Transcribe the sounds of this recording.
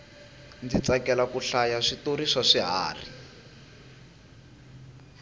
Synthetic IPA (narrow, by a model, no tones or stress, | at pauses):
nd͡zit͡sakɛlakuɬajaʂitoɾiʂaʂiɦa̰ːri